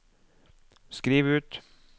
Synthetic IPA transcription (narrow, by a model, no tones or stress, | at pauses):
skɾiːʋʉːt̪